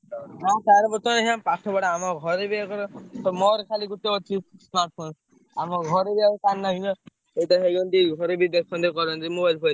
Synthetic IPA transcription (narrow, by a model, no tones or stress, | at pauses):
nat͡ʃaɾɔbɔt̪ɔneɦãmpaʈʰɔbaɽaamɔɡʱɔɾebiakɔɾɔt̪ɔmɔɾkʰaliɡut̪ːeɔt͡ʃʰismaɾʈ̚pʰons | amɔɡʱɔɾebiakek̪anːaɦinɔ | et̪ɔɦeɡɔnt̪iɡʱɔɾebid̪ekʰɔnd̪ekɔɾɔnt̪imobajlpʰojl